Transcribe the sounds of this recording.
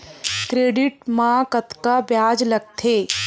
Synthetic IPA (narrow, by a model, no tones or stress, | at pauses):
kɾeːɖɪʈ̚mãkɐt̪kabjaːd͡ʒlɐɡ̚t̪ʰeː